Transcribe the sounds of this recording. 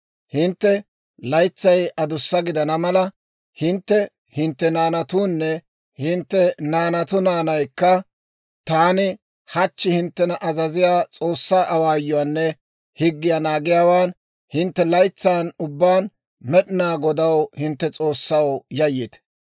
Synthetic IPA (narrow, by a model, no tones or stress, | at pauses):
hɪnt̪ːɛ | lɐjt͡sːɐjʔɐd̪ʊsːɐɡɪd̪ɐnɐmɐlɐ | hɪnt̪ːɛ | hɪnt̪ːɛnaːnɐt̪uːnːɛ | hɪnt̪ːɛnaːnɐt̪ʊnaːnɐjkːɐ | t̪aːnɪ | hɐt͡ʃːɪhɪnt̪ːɛnɐʔɐzɐzɪjaːt͡sʼo̞ːsːaːʔɐwaːjːɔaːnːɛ | hɪɡːɪjaːnaːɡɪjaːwaːn | hɪnt̪ːɛlɐjt͡sːaːnʊbːaːn | mɛɗɪnaːɡɔd̪ɐwhɪnt̪ːɛt͡sʼo̞ːsːɐwjɐjːɪt̪